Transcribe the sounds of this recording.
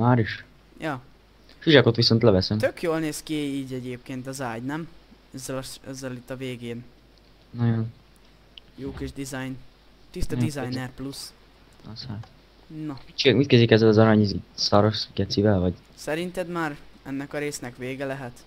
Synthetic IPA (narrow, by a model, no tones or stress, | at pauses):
maːɾiʃ | jɒː | fiʒɛko̞t̪ʋiso̞nt̪lɛvɛsɛmt̪økjoːlneːskiiːɟɛɟeːp̚keːnt̪ɒzaːɟnɛm | ɛzːɛlɛzːɛlit̪ːɒveːɡeːn | nojon | joːkiʒd̪izajn | t̪ist̪ɒd̪izɒjnɛrplus | ɒshat̪ | nɒit͡ʃmit̪̚kɛzikɛzːɛlɒzɒɾɒɲizisɒɾoʃɡɛt̪sivɛlvɒɟ | sɛɾint̪ɛd̪maːɾɛnːɛkɒɾeːsnɛkʋeːɡɛlɛɦɛt̪